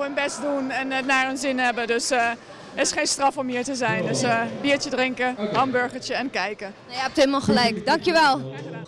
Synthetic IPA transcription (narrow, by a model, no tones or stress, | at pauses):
ənbɛsdunɛnɛtnarənzɪnhɛbədøs | əɪsχeːnstrɑfɔmhiːtəzɛjndøsbiːəɹt͡ʃədrɪŋkərɑmbøɹχətəɛnkɛjkə | ɛp̚theːmalˠχəlɛjkdɑŋkjəʋɛlˠ